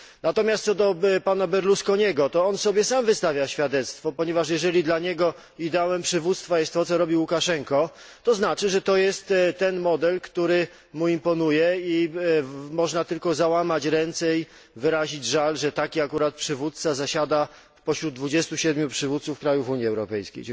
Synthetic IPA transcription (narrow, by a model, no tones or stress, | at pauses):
nat̪ɔmʲjast̪sɔd̪ɔpanabɛɾluskɔɲɛɡɔt̪ɔɔnsɔbʲjɛsamvɘst̪avʲjaɕfʲjad̪ɛt̪st̪fɔpɔɲɛvaʂjɛʐɛlʲid̪laɲɛɡɔ | id̪ɛawɛmpʂɘvut̪st̪fajɛst̪ːɔt̪sɔɾɔbʲiwukaʂɛŋkɔ | t̪ɔznat͡ʂɘʐɛt̪ɔjɛst̪t̪ɛnmɔd̪ɛlkt̪uɾɘ | muimpɔnujɛi | mɔʐnat̪ɘlkɔzawamat͡ɕɾɛnt̪sɛi | vɘɾaʑid͡ʑʐalʐɛt̪akʲiakuɾat̪̚pʂɘvut̪̚t̪sazaɕad̪a | pɔɕɾud̪̚d̪vud͡ʑɛst̪uɕɛd̪mʲjupʂɘvut̪sufkɾajufuɲiɛwɾɔpɛjskʲḛj